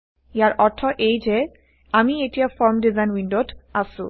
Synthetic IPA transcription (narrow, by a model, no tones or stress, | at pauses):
jaɾɔɾt̪ʰːɔʔejd͡ʑe | amieʈijafɔɾmɖizajnwinɖoʈasṵ